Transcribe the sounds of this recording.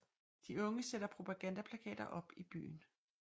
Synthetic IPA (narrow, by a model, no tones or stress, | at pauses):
d̥iɔ̽ŋəsed̥ɐpʰʁo̝pʰæɡ̥ænd̥æpʰlækʰɛ̰ːd̥ɐʔɒ̽b̥ib̥y̰ːn